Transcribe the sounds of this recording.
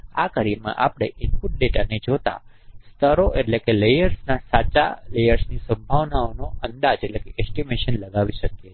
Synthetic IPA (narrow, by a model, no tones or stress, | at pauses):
a̰kəɾimã̰ʔapɽ̃eʔɪnkuʈ̚leʈəned͡ʒot̪a̰ | st̪ʰəɾoʔeʈlekelejəɾsnasat͡ʃa̰lejəɾsnisə̃mbʱaʋnaonoʔənd̪ad͡ʒeʈlekeʔɛsʈimeʃənləɡaʋiʃəkje